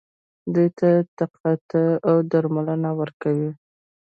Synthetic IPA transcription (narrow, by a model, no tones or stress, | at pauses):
d̪ujt̪at̪aqat̪əawd̪aɾmalənawəɾkawi